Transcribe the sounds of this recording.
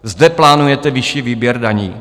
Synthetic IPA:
zdɛplaːnujɛt̪ɛvɪʃiːviːbjɛɾdaɲḭː

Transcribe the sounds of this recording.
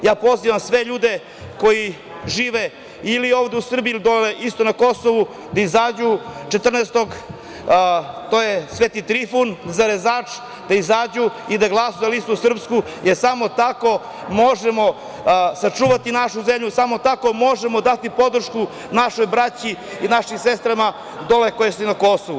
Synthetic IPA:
jaːpo̞ziʋamsʋe̞ʎuːd̪e̞ | ko̞ji | ʒiːʋe | ilioːvd̪eusr̩biulid̪oleʔist̪o̞nako̞soʋu | d̪aizaːd͡ʑut͡ʃet̪r̩nest̪o̞ɡ | t̪oːjesʋet̪it̪ɾifunzaɾezaːt͡ʂ | d̪aizaːd͡ʑuid̪aɡlˠasojalist̪uusr̩psku | jeɾsamo̞t̪ako̞ | mo̞ʒemo̞ | sat͡ʂuːʋat̪inaʃuzemʎusamo̞t̪ako̞mo̞ʒemod̪at̪ipo̞d̪r̩ʃku | naʃojbɾat͡ɕi | inaʃimsest̪ɾama | d̪o̞leko̞jesuinako̞soʋu

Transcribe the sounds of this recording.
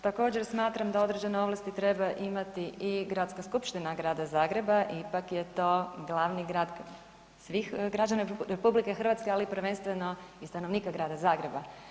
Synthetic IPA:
t̪ako̞ːd͡ʑeɾsmaːt̪ɾamd̪ao̞d̪ɾed͡ʑeneo̞ʋlˠast̪it̪ɾe̞baʔimat̪iiɡɾat̪skaskupʃt̪inaɡɾaːd̪azaːɡɾe̞baʔipakje̞t̪o̞ːɡlˠaʋniɡɾaːd̪ | sʋixɡɾad͡ʒanaɾepublikexr̩ʋat̪skealipɾʋe̞nst̪ʋe̞no̞ist̪ano̞ʋniːkaɡɾaːd̪azaːɡɾe̞ba

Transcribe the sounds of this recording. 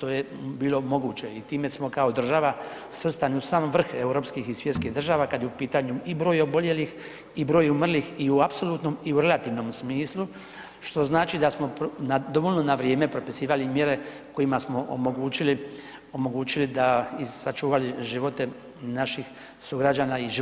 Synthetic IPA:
t̪oje̞biːlo̞mo̞ɡuːt͡ɕe̞it̪iːme̞smo̞kao̞d̪r̩ʒaʋa | sʋr̩st̪aniusaːmʋr̩xe̞uɾo̞pskixisʋjet̪skiɦd̪r̩ʒaːʋakad̪jeupiːt̪aːɲuibɾo̞ːjobo̞lje̞lix | ibɾo̞ːjumr̩lixiuapso̞lˠuːt̪no̞miuɾe̞lat̪iːʋno̞msmiːslˠu | ʃt̪o̞znaːt͡ʃid̪asmo̞pnad̪o̞ʋolno̞naʋɾje̞ːme̞pɾo̞pisiːʋalimjeɾe̞ | ko̞jimasmo̞ʔo̰mo̞ɡuːt͡ɕili | o̞mo̞ɡuːt͡ɕilid̪aisat͡ʃuːʋaliʒiʋo̞t̪e̞ | naʃix | suɡɾad͡ʑaːnaiʒ

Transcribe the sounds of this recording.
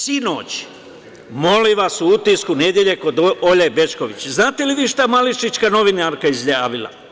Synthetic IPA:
sino̰ːt͡ɕ | mo̞liʋasuut̪iskune̞d̪je̞ʎe̞ko̞d̪oʎebe̞t͡ʃko̞ʋit͡ɕznaːt̪eliʋiːʃt̪amaliʃit͡ʃkano̞ʋinaɾkaizʎaːʋila̰

